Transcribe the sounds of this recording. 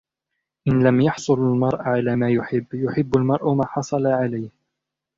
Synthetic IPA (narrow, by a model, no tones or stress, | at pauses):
ʔɪnlamjɑħsˤʊlalmɑɾˤʔaʕalaːmaːjʊħɪbːjʊħɪbːalmɑɾˤʔʊmaːħɑsˤɑlaʕalajh